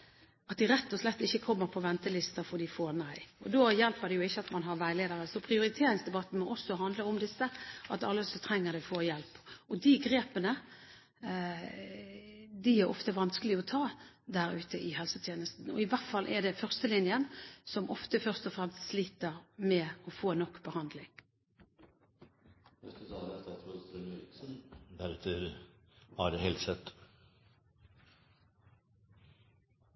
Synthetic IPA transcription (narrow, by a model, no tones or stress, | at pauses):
ɑt̪̚d̪ɪɾɛt̪ːɔslɛt̪ːɪçːəkʰɔmːəɾpʰɔʋɛnt̪əlɪst̪ɑfɔd̪ɪfoːnæɪɔd̪oːjɛlpəd̪ɛjʊɪçːəɑt̪mɑnɦɑɾʋæɪleːd̪əɾəsɔpʰɾɪʊɾɪt̪ʰeːɾɪŋsd̪ɛbɑt̪ːn̩mɔʔɔsːɔɦɑnd̪ləɔmd̪ɪsːəʔɑt̪ɑlːəsɔt̪ʰɾɛŋːəd̪ɛɪfoːjɛlpɔd̪ɪɡɾeːpənə | d̪ɪæɾʔɔ̰ft̪əʋɑnskəlɪɔt̪ʰɑː | d̪æʁʉːt̪əʔɪhɛlsət̪ʰjeːnəst̪n̩ɔɪʋæʁt̪fɑlʔɛd̪ɛfœʁst̪əlɪnjənsɔmʔɔft̪əfœʁst̪ɔfʁɛmst̪sliːt̪əʁmɛɔfoːnɔkːbəhɑnd̪lɪŋ | ɛst̪əsɑːd̪ɛst̪ɑt̪spɾʊfɛsɔnɾɪk̪sənd̪æɾɛt̪ʰːəɾhɑɾɛhɛlt̪sɛt̪